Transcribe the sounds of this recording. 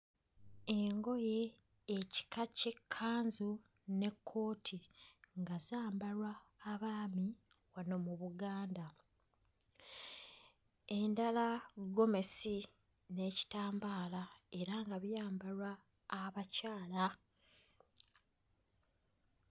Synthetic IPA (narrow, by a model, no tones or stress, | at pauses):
e̞ŋɡo̞je̞ː | ci̥kacekʰːaːnzu | ne̞kʰːo̞ːtʰiŋɡazaːmbaɾwaːβaːmi | wano̞muβuɡaːnda | e̞ndalaɡo̞me̞si | ne̞ːci̥taːmbaːlae̞ɾaŋɡaβjaːmbaɾwaː | βacaːla